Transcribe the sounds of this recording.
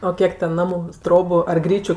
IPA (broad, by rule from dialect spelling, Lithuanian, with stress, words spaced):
oː ˈkʲiɛk tʲɛn ˈnɑːmʊ ˈtroːbʊ ɐr ˈɡrʲiːt͡ʃʲʊ